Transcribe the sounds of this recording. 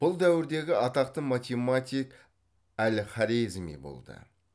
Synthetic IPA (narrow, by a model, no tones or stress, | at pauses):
b̥ʊlˠd̪æwɪɾd̪e̞ɡʲɪɑt̪ɑq̚t̪əmat̪ʲemat̪ʲijk | ælχɑɾizmḭbo̰lˠd̪ə̰